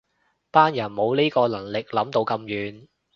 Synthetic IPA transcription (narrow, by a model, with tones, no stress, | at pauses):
paː˥njɐ˨˩nmo˨˧wliː˥kɔː˧lɐ˨˩ŋlɪ˨k̚lɐ˨˥mt̪o˧wkɐ˧mjyː˨˧n